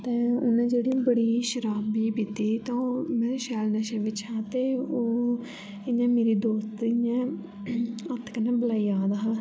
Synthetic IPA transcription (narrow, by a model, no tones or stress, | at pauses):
t̪ɛ̃ːonãːd͡ʒeːɽibəɽiːʃəɾaːbiːbɪt̪iːt̪ãːomɛ̃ːʃɛːlnəʃẽːʋɪt͡ʃɦãːt̪eːoː | ɪnãːmeːɾiːd̪oːst̪jãː | ət̪kənẽːbəlaːiːaːd̪aːɦaː